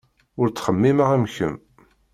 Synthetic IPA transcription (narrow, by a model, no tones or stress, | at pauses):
ʊɾt͡sːχəmːiməʁæmçə̰m